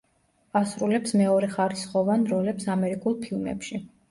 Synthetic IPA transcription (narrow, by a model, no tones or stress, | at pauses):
asɾulɛpsmɛɔɾɛχaɾisχɔvanɾɔlɛpsamɛɾikʼulˠpʰilˠmɛ̰pʃi